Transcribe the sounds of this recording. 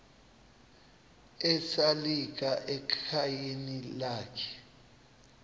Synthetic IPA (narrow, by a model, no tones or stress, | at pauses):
ɛsalik̬ʼaʔɛkʰajenilaːkʰɛ̥